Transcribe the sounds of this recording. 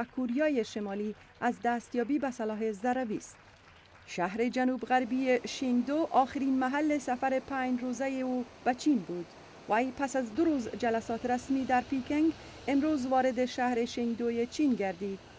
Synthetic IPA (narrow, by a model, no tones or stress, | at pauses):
kʰuɾijɒːjeʃemɒːli | azd̪æːst̪jɒːbiːbæsalɒːɦezaɾaviːst̪ | ʃaɦɾed͡ʒanubɣaɾbijeʃiŋd̪oʔɒːxɪɾiːnmaɦalːesafaɾepʰaɲd͡ʒɾoːzajeob̥æt͡ʃʰiːnbuːd̪ | vajpasazd̪ʊɾuzd͡ʒalasɒːt̪ɾasmiːd̪æɾpikeŋɡ | emɾoːzvɒːɾed̪eʃahɾeʃeŋɡd̪ojet͡ʃʰinɡaɾd̪iːd̪̥